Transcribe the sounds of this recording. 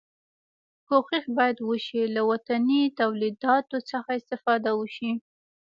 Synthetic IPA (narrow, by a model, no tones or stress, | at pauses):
koxixbɑjad̪wəʃilawat̪anit̪awlid̪ɑt̪ot͡səxaɪst̪ɪfɑd̪awəʃi